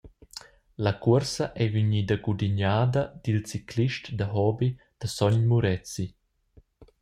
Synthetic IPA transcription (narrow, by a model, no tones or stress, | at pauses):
lakuəɾsɐʔɛviɲidəɡud̪iɲaːd̪ɐd̪̥ilt͡sikliʃtd̪əɦɔbi | d̪̥əsɔɲmuɾɛt͡si